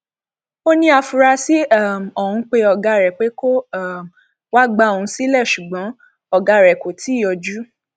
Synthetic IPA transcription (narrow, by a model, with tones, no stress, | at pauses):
o˦nĩ˧˦a˧fu˧ɾa˧si˦a˦˨m˨ɔ˨hũ˧k͡pe˧ɔ˧ɡa˧˦ɾɛ˨k͡pe˨˦ko˦˨m˨ | wa˦ɡ͡ba˧˦o˨ũ˧˦si˦lɛ˦˨ʃu˨ɡ͡bɔ̃˨˦ | ɔ˦˨ɡa˨˧˨ɾɛ˨ko˨tʰi˨˦jɔ˧d͡ʒu˦